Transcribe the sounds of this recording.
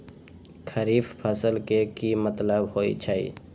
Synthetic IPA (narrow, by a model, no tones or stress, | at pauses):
kʰəɾiːfpʰəsəlkekimət̪ləbɦoːḭt͡ʃʰaːḭ